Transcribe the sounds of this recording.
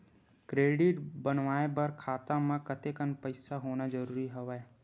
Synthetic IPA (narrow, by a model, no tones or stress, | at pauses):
kɾeːɖɪʈbənʋaːebɐɾkʰaːt̪ãmãkət̪ekənpəɪsaɦoːnad͡ʒəɾuːɾiɦɐʋaɛ